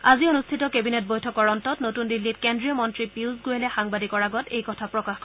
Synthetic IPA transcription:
azionustʰitɔkebinet̚bojtʰɔkɔɹɔntɔtnotundilːit̚kendɹijɔmɔntɹipiwzɡojɛlɛxaŋbadikɔɹaɡɔtejkɔtʰapɹɔkax

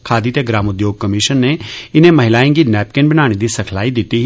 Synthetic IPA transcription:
kʰaːd̪it̪eɡɾaːmʊd̪joːɡ̚kəmɪʃənːeɪnẽmɐɦɪlaːẽɡinɛːpkenbənaːɽ̃ed̪isɐkʰlaːid̪ɪt̪ːiɦ

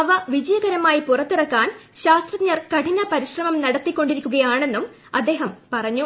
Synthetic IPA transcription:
ɐʋɐʋid͡ʑɐjɐɡɐɾɐmaːjipurɐt̪ːurɐkːaːnɕaːst̪rɐɲːɐrkɐʈinɐpɐɾiɕrɐmɐmnɐɽɐt̪ːikʲːo̞ɳɖiɾikʲːuɣɐjaːɳe̞nːum | ɐd̪ːe̞ːɦɐmpɐrɐɲːu

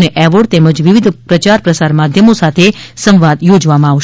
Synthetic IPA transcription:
neʔɛʋəɽt̪eməd͡ʒʋiʋid̪ʱpɾət͡ʃaɾpɾəsaɾmad̪ʱjəmosat̪ʰesə̃mʋad̪jod͡ʒʋamãaʋʃ

